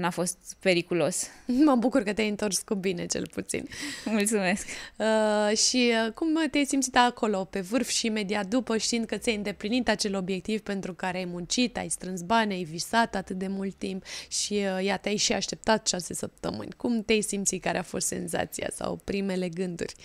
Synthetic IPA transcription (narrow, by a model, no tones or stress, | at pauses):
nafo̞st̪pe̞ɾikulo̞sməbukurkət̪eajɨnt̪o̞rskubine̞t͡ʃe̞̰lput̪sḭnmult̪sume̞skəʃiəkumt̪eajsimt̪sit̪ako̞lo̞pe̞vɨrfʃiːme̞d̪iat̪̚d̪upəʃt̪iind̪̚kət̪sʲajɨnd̪e̞plinit̪at͡ʃe̞lo̞bje̞k̚t̪ivpe̞nt̪ɾukaɾeajmunt͡ʃit̪a̰jst̪ɾɨnsbanʲajvisat̪at̪ɨt̪̚d̪e̞mult̪ːimpʃiəjat̪eajʃiaʃt̪e̞p̚t̪at̪ʃase̞səp̚t̪əmɨ̰nʲkumt̪eajsimt̪sikaɾeafo̞st̪se̞̰nza̰t̪sija̰sa̰wpɾime̞le̞ɡɨnd̪ṵrʲ